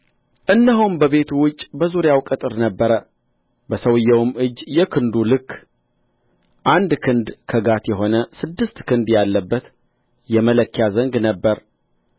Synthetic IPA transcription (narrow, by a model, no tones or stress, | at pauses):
ʔɨnːəɦumbəβe̞t̪ʰuwʊt͡ʃʼːbəzuɾjawkʼɨt̪ʼɨɾnəbːəɾə | bəsəwɨjːɛwmɨd͡ʒːjɛkʰɨnd̪ulɨkː | ʔand̪kʰɨnd̪kʰəɡat̪jɛɦo̞nəsɨd̪ːɨst̪kʰɨnd̪jalːəbːət̪ | jɛmələkːjazəŋɡnəbːəɾ